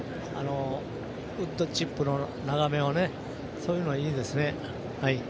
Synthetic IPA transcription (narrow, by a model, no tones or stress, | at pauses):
a̰no | ɯd̪ːo̞t͡ɕipːɯ̟no̞naɣame̞βane̞ | so̞ːjɯːnoaiːd̪e̞sɨne̞ | hai